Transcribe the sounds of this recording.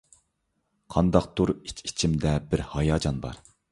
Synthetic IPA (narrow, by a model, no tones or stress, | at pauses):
qʰɑnd̪ɑq̚t̪ʰuɾit͡ʃi̥t͡ʃʰimd̪ɛbɪɾhɑjɑːd͡ʒɑnbɑ̰ɾ